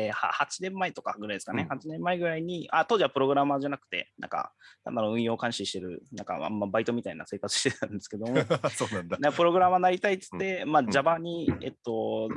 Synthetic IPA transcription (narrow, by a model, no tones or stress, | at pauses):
ha̰hat͡ɕinẽ̞mːaet̪o̞kaɡɯ̟ɾaid̪sɨ̥kanehat͡ɕinẽ̞mːaeɡɯ̟ɾaiɲ̟iat̪o̞ːʑiβapɯɾo̞ɡɯ̟ɾamaʑanakɯ̟̥t̪e̞̰nʔã̰ŋka̰nã̰nd̪aɾõɯ̟̃ɰ̃jo̞ːkãɰ̃ɕiɕi̥t̪e̞ɾɯ̟̰nã̰ŋka̰a̰mːabait̪o̞mʲit̪ainase̞ːkat͡sɨ̥ɕi̥t̪e̞t̪ãnd̪e̞sɨ̥ke̞d̪omosoːnãnd̪anãŋkːapɯ̟ɾo̞ɡɯ̟ɾamanaɾʲit̪ait͡sɨ̥t̪ːe̞mad͡ʑabaɲ̟iḛt̪ːo̞